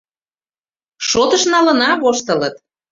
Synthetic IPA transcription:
ʃot̪əʃnɑlə̆nɑβoʃt̪ələt̪

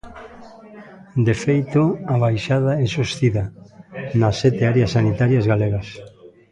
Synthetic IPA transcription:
d̪efejt̪oaβajʃaðaɛsost̪iðɐnasːɛt̪eaɾeasːanit̪aɾjazɣaleɣɐs

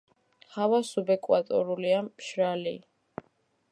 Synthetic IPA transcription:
χavasubɛkʼwat̪ʼɔ̰ɾuliamʃɾali

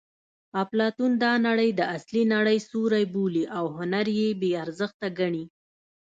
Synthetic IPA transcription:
aplɑt̪und̪ɑnaɽəjd̪əaslinaɽəjsuɾajbuliʔawɦʊnaɾjebeaɾzəxt̪aɡaɳi

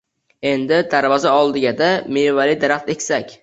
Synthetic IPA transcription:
e̞nd̪ɪd̪aɾvɒzaɒlˠd̪ɪɡʲad̪amevalid̪aɾaχt̪ekʲsakʲ

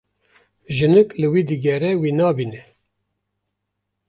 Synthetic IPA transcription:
ʒɨnɨklɨwiːd̪ɨɡɛɾɛwiːnɑːbinɛ

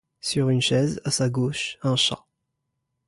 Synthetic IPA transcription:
syʁynʃɛzasaɡoʃɛ̃ʃa̰

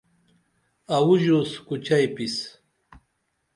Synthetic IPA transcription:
awʊʒoskʊt͡ʃajpis

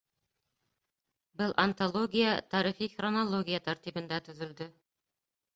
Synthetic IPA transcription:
bɤlˠʔɐnt̪olˠoɡʲijat̪ɑɾiχiχronolˠoɡʲijat̪æɾt̪ibɤ̆nd̪æt̪ɵ̆ðɵ̆ld̪ɵ

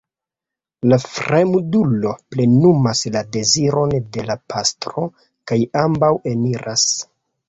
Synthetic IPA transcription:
lafɾemudulo̞ple̞numaslade̞ziɾo̞nde̞lapʰastɾo̞ | kajambawe̞niɾas

